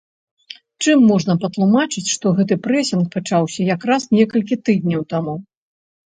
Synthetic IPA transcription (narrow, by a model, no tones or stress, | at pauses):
t͡ʂɨmːɔʐnɐpɐt̪lˠumat͡ʂɨt͡sʲʂt̪ɔɣɛt̪ɨpɾɛsʲinxpat͡ʂawsʲɐjakɾasnʲɛkɐlʲkʲit̪ɨd̪̚ʲnʲɔwt̪amu